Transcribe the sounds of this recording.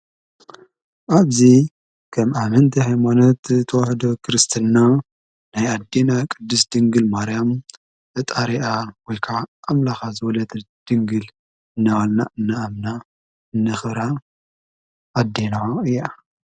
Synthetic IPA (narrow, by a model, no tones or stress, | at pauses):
ʔaβzi | kʰɐmamɐnt̪ʰihajmanot̪t̪ʰɐwaħd̪okʰɨɾɨst̪ʰɨnːa | najad̪ːenakʼɨd̪ːɨsd̪ɨŋɡɨlmaɾjam | ɨt̪ʼaɾiʔawɔjkʰaʔamlaxazɨwɐlɐt̪ | d̪̥ɨŋɡɨl | ɨnːawalna̰ʔɨnːɐamna | ɨnːɐxɨɾa | ʔad̪ːenaɨjːa